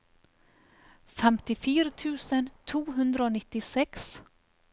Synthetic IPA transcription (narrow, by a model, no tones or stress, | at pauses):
fɛmt̪ɪfyːɾət̪ʰʉ̟ːsənt̪ʰuːɦɵnd̪ɾaoːnɪt̪ːɪsɛks